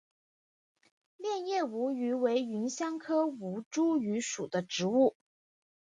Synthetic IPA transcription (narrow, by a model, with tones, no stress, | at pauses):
ljɛ˥˧njɛ˥˩u˧˥y˧˥we˧˥ɪy˧˥nɕjɑ˥ŋkʰɤ˥u˧˥ʈ͡ʂu˥y˧˥ʂu˨˩d̪ə˦ʈ͡ʂɻ̩˧˥u˥˩